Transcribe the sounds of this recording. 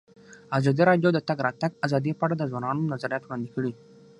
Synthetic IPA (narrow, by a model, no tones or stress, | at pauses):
azɑd̪iɾɑɖjod̪ət̪aɡɾat̪aɡazɑːd̪ipaɽad̪əzwanɑːnonazaɾijɑt̪wɽɑ̃nd̪ikəɽi